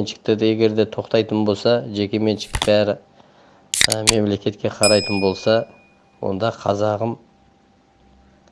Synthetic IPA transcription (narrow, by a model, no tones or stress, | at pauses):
enʃɪ̥k̚t̪eɾd̪ɪje̞ɡʲe̞ɾd̪e̞t̪ʰo̞qt̪ɑjt̪ənbo̞lˠsɑʒe̞kʲe̞me̞nʃɪ̥k̪̚bæːɾɪ | me̞mle̞kʲe̞t̪kʲe̞qʰɑɾɑjt̪ənbo̞lˠsɑ | wo̞̰nd̪ɑqʰɑ̰zɑʁəm